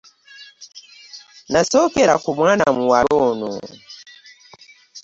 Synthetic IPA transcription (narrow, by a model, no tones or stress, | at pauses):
nasɔkɛlakumwana̰muwalɔnɔ̰